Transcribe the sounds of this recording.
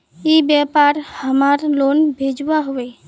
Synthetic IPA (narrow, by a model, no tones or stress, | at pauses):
ebɛpaɾhəmaɾlonbʱed͡ʒwaɦoe